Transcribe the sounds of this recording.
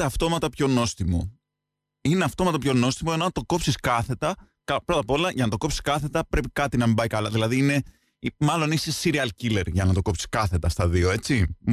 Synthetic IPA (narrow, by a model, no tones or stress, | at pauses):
ɐft̪o̞mɐt̪ɐpço̞no̞st̪imo̰ | ineɐft̪o̞mɐt̪ɐpço̞no̞st̪imoenoɐnt̪o̞ko̞psiskɐθe̞t̪ɐ | kɐpɾo̞t̪ɐpo̞lɐʝɐnɐt̪o̞ko̞psi̥skɐθe̞t̪ɐpɾe̞pikɐt̪inɐmbɐikɐlɐðilɐðiine̞ | imɐlo̞nisesiɾiɐlcile̞ɾʝɐnɐt̪o̞ko̞psi̥skɐθe̞t̪ɐst̪ɐðio̞e̞t͡si